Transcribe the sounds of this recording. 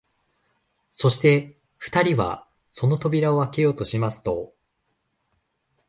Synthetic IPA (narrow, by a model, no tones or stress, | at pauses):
so̞ɕi̥t̪e̞ | ɸɯ̟̥t̪aɾʲiβa̰ | so̞no̞t̪o̞bʲiɾao̞βake̞jo̞ːt̪o̞ɕimasɨ̥t̪o̞